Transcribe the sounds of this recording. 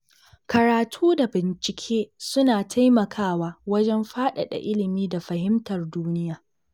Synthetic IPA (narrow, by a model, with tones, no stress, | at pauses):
kɐ˨ɾaː˨tʰuː˦da˨bɪ˨nt͡ʃɪ˨kʲʰeː˦sʊ˦naː˨tʰa˦jmɐ˨kʰaː˦˨waː˦wɐ˦d͡ʒɛ˦mɸaː˦ɗa̰˨ɗa̰˨ʔɪ˦lɪ˨miː˦da˨ɸɐ˨hɪ˦mtɐ˨rduː˦nɪ˦jaː˨